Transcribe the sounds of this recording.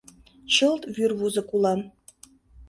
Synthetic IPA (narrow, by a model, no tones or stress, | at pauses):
ɕəlˠt̪vyrvuzə̆kulˠɑ